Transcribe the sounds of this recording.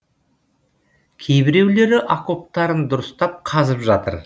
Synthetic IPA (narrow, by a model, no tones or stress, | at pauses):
kʲʰe̞jbɪɾe̞wle̞ɾɪʔako̞p̚t̪ɑɾənd̪ʊɾəst̪ɑp̚qʰɑzəpʒɑt̪ə̰ɾ